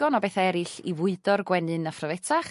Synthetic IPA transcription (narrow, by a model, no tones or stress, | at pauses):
ɔnɔbeːθaɛɾɨɬivʊɨdɔrɡwɛnɨnafrɔvɛtʰaχ